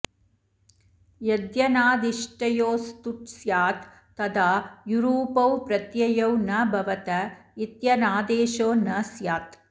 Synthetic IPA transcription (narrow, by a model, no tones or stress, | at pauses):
jɐd̪jɐnaːd̪iʂʈɐjoːst̪uʈsjaːt̪ː | ɐd̪aːjuɾuːpɐwpɾɐt̪jɐjɐwnɐbʱɐʋɐt̪ɐit̪jɐnaːd̪eːʃoːnɐsjaːt̪